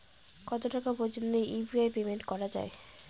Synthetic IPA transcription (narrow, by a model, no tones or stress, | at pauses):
kɔt̪oʈakapod͡ʑond̪ejʔibiajpemeɳʈkɔɾad͡ʑa̰e